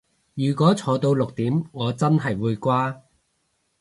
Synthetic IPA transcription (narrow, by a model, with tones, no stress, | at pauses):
jyː˨˩kʷɔː˨˥t͡sʰɔː˨˧t̪o˧wlʊ˨k̚t̪iː˨˥mŋɔː˨˧t͡sɐ˥nɦɐ˨jwuː˨˧jkʷaː˥